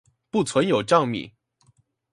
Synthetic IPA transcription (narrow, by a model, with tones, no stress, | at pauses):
pu˥˩t͡sʰwə˧˥njo˨˩ʊʈ͡ʂɑ˥˧ŋmḭ˨˩˦